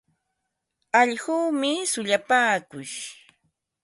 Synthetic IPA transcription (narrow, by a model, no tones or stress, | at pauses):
aʎɢuːmɪsʊʎapaːkʊj